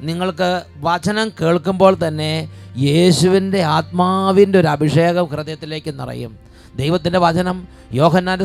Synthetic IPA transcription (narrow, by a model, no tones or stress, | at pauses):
niŋːɐɭkɨ | ʋɐt͡ɕɐnɐmke̞ːɭkːumbo̞ːɭt̪ɐnːe̞je̞ːɕuʋinde̞aːt̪̚maːʋinde̞o̞ɾuɐbʱiʂe̞ːɣɐmkrɨðjɐt̪ːile̞ːkːenːɐ̰rḭjṵm | d̪ejʋɐt̪ːindeʋɐt͡ɕɐnɐm | jo̞ːɦɐnːaːnd